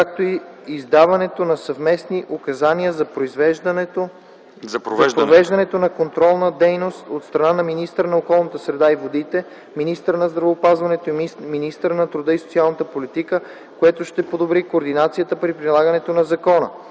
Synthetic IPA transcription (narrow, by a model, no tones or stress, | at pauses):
kak̚t̪oi | izd̪avɐnɛt̪onɐsɐvmɛsniʔokɐzaniəzɐpɾoizvɛʒo | zɐvɛʒpɾovɛʒd̪ɐnɛt̪onɐkont̪ɾɔlˠnəd̪ɛjnost̪ot̪st̪ɾɐnanɐminist̪əɾənɐokɔlˠnət̪əsɾɛd̪aivod̪it̪ɛ | minist̪əɾnɐzd̪ɾɐvəːpazvɐnɛt̪oiminist̪əɾnɐt̪ɾʊd̪ɤisot̪sialˠnət̪əpolit̪ikə | koɛt̪oʃt̪ɛpod̪obɾikoːɾd̪inat̪sijət̪əpɾipɾilˠaɡənɛt̪onɐzɐkɔnə̰